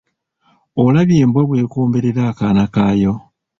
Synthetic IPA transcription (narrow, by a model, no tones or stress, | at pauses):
olaβjeːmbwaβwe̞ːkoːmbe̞ɾeɾaːkaːnakaːjo